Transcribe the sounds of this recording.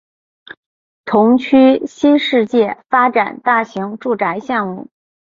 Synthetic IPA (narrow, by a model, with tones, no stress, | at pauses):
t̪ʰʊ˧˥ŋt͡ɕʰy˥ɕi˥nʂɻ̩˥˧t͡ɕjɛ˥˩fa˥ʈ͡ʂa˨˩nt̪a˥˩ɕi˧˥ŋʈ͡ʂu˥˩ʈ͡ʂa˧˥ɪɕjɑ˥˧ŋmu˥˩